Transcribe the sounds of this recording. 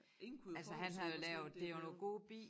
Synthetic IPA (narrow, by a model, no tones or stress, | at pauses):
ælsəɦænɦɑjo̝lɛːʊð̩ˠd̥e̝ono̝ːɡ̥o̝̰ːb̥ḭː